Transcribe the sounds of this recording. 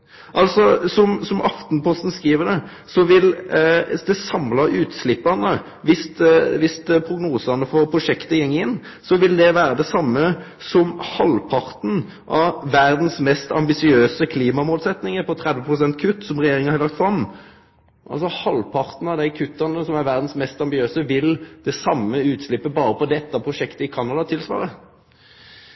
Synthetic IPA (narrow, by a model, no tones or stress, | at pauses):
ʔɑlsɔsɔmsɔmɑft̪npʰɔst̪n̩skiːʋəd̪ɛ | sɔʋɪl | d̪ɛsɑmlɑɾʉːt̪slɪpːɑnə | ʋɪst̪ʋɪst̪pʰɾʊɡnuːsɑnːəfɔɾpʰɾʊʂɛkt̪əjɛŋːɪnː | sɔʋɪld̪ɛʋæːɾəd̪ɛsɑmːə | sɔmhɑlpʰɑɾt̪n̩ | ʔɑːæɾd̪n̩smɛst̪ɑ̰mbɪsɪøːsəkʰliːmɑmoːlsɛt̪nɪŋəɾpʰɔt̪ʰɾɛd̪ʋəpʰʁʊsɛnt̪̚kʰʉt̪ːsɔmʁɛjeːɾɪŋəhɑɾlɑk̚t̪fɾɑm | ʔɑ̰lsɔhɑlpʰɑʁt̪n̩ɑd̪æɪkʰʉt̪ːɑnəsɔmæɾʋæʁd̪n̩smɛst̪ɑmbɪøːsəʋɪld̪̥ɛsɑmːəʉːt̪slɪpːəbɑːɾəpɔd̪ɛt̪ːɑpʰɾʊʂɛkt̪əɪkʰɑnɑd̪ɑt̪ʰɪlsʋɑ̰ːɾə